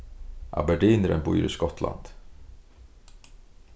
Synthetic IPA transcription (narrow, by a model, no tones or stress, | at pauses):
ʔa̰bɛɖiːnəɾə̰nbuːɾɪskɔt̪la̰nd̪̥